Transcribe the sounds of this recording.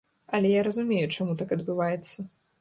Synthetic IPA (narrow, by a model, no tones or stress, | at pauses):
ɐlʲɛjaɾɐzʊmʲejut͡ʂamut̪akɐd̪bɨvajɛt̪sːɐ